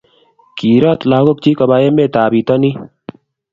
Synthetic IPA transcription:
kiː˨ɾa˦t̪laː˨ɡo˦k̚t͡ʃi˦kɐ˨baː˦je˦me˦t̪aː˨biː˨t̪a˦ni˦

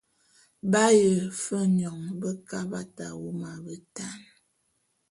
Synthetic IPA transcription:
ba˦jə˨fə˦ɲɔ˨ŋbə˦ka˦ba˦ta˨wu˦ma˨bə˨ta˦n

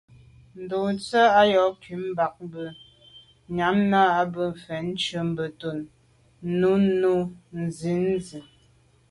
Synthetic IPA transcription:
n̩˨do˨t͡sə˦a˦jɔ˨˦ki˨˦m̩˦ba˨k̚m˦bə˦ | ɲa˨˦mna˦a˦bə˦m̩˨fɛ˨n̩˦t͡ʃə˨˦m̩˦bə˨to˨n˦ | nu˦nu˦n̩˨zi˨˦n˦zi˨

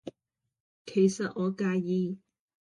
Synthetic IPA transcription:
kʰe˨˩jsɐ˨t̚ŋɔː˨˧kaː˧jjiː˧

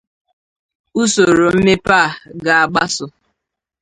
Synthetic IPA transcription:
u˦so˨ɾo˨m̩˦me˦paː˦˨ɡa˨a˨ɡ͡ba˦sʊ˨

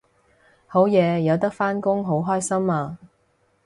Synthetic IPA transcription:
ho˨˥wjɛː˨˧jɐ˨˧wt̪ɐ˥k̚faː˥nkʊ˥ŋɦo˨˥wɦɔː˥jsɐ˥maː˧

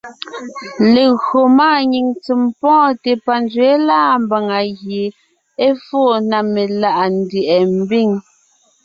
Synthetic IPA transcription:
le˨ɣɰo˨maː˦˨ɲi˨ŋt͡si˨mpɔ̃ː˦te˨pa˨nd͡zɥe˨˦laː˦˨m˦ba˨ŋa˨ɣje˨ | e˦fo˦˨na˨me˨la˦˨ʔa˨n˨de˨ʔɛ˨m̩˨bi˦˨ŋ

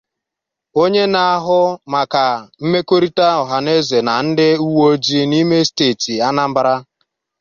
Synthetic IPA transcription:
o˦ɲe˦na˨a˦ɦʊ˦ma˨ka˨m̩˦me˦ko˦ɾi˦ta˦ɔ˨ɦa˨ne˦ze˨na˨n̩˦dɪ˦u˦wo˦d͡ʒi˦ni˦me˦steː˦˨ti˨a˦na˦m̩˦ba˦ɾa˦

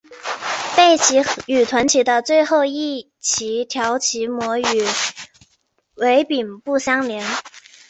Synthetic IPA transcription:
pe˥˩ɪt͡ɕʰi˧˥y˨˩t̪ʰwa˧˥nt͡ɕʰi˧˥d̪ə˧t͡swe˥˧ɪxo˥˧ʊi˥˩ | t͡ɕʰi˧˥t̪ʰjɑ˧˥ʊt͡ɕʰi˧˥mwɔ˧˥y˨˩˦ | we˧˥ɪpi˨˩npu˥˩ɕjɑ˥ŋljɛ˧˥n

